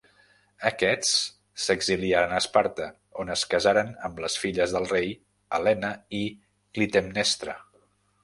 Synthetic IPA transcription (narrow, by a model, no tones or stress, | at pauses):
əkɛt͡s | səɡziliaɾənəspaɾt̪ə | onəskəzaɾənəmləsfiʎəzðəlˠrej | əlɛnəi | klit̪emnɛst̪ɾə